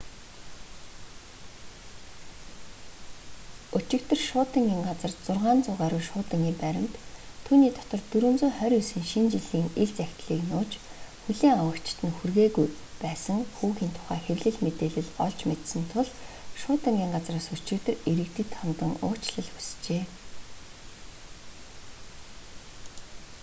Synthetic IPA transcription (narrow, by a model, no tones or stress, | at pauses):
ot͡ɕɪ̆kt̪ə̆rʃʊːt̪ə̆ŋɡʲiːŋɢat͡sə̆rt͡sʊrʁaːnt͡sʊːʁaːɾʊːʃʊːt̪ə̆ŋiːpæɾʲɪ̆mt̪ʰː | uːniːt̪ʰɔt̪ɞ̆rt̪uɾɵ̆mt͡sʊːχœɾʲusɘ̆ŋʃint͡ɕiɮiːŋeɮt͡sæxʲt̪ɮiːknʊːt͡ɕxuɮiːŋawə̆kt͡ɕt̪ɘ̆nxurɣeːɣuj | pæːsə̆ŋxuːxiːnt̪ʰʊ̥χæːxerʲɮɘ̆ɮmet̪eːɮɘ̆ɮɔɮt͡ɕmet̪sɘ̆nt̪ʰʊɮʃʊːt̪ə̆ŋɡʲiːŋɢat͡sraːsɵt͡ɕɪ̆k̚t̪ɘ̆reɾɘ̆kt̪ɘ̆t̪ʰːɔnt̪ə̆ŋʊ̰ːt͡ɕɮə̆ɮxu̥st͡ɕeː